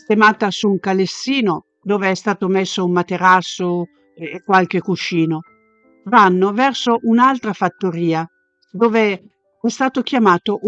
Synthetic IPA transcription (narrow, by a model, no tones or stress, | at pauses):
st̪emaːt̪asuːŋkalesːiːno | d̪oːveɛst̪aːt̪omesːoummat̪eɾasːoː | kːwalkekuʃiːno | vanːovɛrsoʔunalt̪ɾafat̪ːoɾiːa | d̪oːve | ɛst̪aːt̪ok̟jamaːt̪oʔ